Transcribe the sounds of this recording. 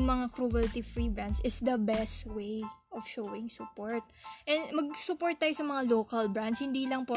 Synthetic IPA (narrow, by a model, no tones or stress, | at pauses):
ŋmɐŋakɾuɛlt̪ifɹibɹansɪsd̪ɐbɛst̪wejʔɔv̥ʃoːwɪŋsʊpoɹt̪̚ʔɛnmɐɡ̚sʊpoɹt̪̚ːaːjosɐmɐŋaloːkɐlbɹanshɪnd̪iːlɐŋpo